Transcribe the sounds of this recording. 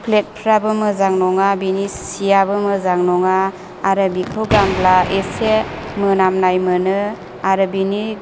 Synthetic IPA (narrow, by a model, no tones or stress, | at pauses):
pʰlet̚pʰɾabɯmɯzaŋnɔŋabinisijabɯmɯzaŋnɔŋaː | ɾɯbikʰoɡamblaesemɯnamnajmɯnɯ | aɾɯbini